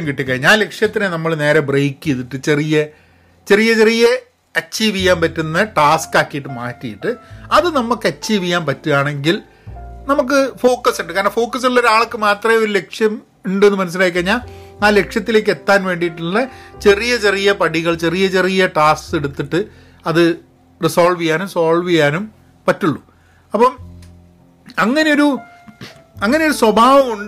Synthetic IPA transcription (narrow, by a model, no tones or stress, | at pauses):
ɐmkiʈːikːɐɻiɲːaːle̞kʂjɐt̪ːinenɐmːɐɭne̞ːɾɐbrejkːiiðiʈːɨt͡ɕe̞rijɐ | t͡ɕe̞rijɐt͡ɕe̞rijɐ | ɐt͡ɕt͡ɕːiːʋijːaːmpɐtːunːɐʈaːskaːkːijiʈːɨmaːtːijiʈːɨɐðɨnɐmːɐkːɐːiːʋijaːnpɐtːuaːɳe̞ŋɡil | nɐmuk̬ːɨfo̞ːkːɐsuɳɖɨkaːɾnɳɐfo̞ːkːɐs̬uɭːɐoɾaːɭɐkːɨmaːt̪rɐmoɾule̞kʂjɐm | eɳɖenːɨmɐnɐs̬ilaːjik̬ːɐɲːaːaːle̞kʂjɐt̪ːile̞ːk̬ːe̞t̪ːaːnʋe̞ːɳɖijʈːuɭːɐt͡ɕe̞rijɐt͡ɕe̞rijɐpɐɽiɣɐɭt͡ɕe̞rijɐt͡ɕe̞rijɐʈaːskseɽut̪ːiʈːɨ | ɐðɨ | risoːɭʋijaːnumsoːɭʋijaːnum | pɐtːuɭːu | ɐpːɐm | ɐŋːɐneoɾu | ɐŋːɐne̞jo̞ɾuswɐbʱaːʋɐmuɳɖ